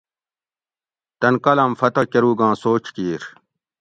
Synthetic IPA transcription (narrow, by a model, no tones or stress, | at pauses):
t̪ɐnkɐlɐmfɐt̪ɐkeɾuːɡãːsoːt͡ɕkiːɾ